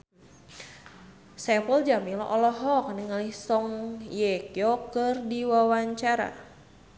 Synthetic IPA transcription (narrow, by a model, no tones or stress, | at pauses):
sɛpəld͡ʒamilɔ̰ʔɔlɔɦɔkniŋalihsɔŋjɛkjɔkɨrdiwawaɲt͡ʃaɾa̰